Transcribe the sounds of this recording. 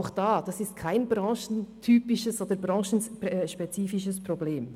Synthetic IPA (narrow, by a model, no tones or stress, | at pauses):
ʊxd̥ɑːd̥ɑsɪst̚kʰaɪnbɾɑ̃ːʃn̩tʰyːpɪʃəsoːdəɾbɾɑ̃ːʃn̩ʃpɛt͡siːfɪʃəsprobleːm